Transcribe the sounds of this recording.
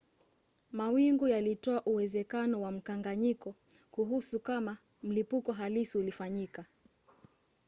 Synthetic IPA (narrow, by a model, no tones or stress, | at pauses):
mawiŋɡujalitɔaʔuwɛzɛkanɔwam̩kaŋɡaɲikɔ | kuɦusukama | m̩lipukɔɦalisiulifaɲika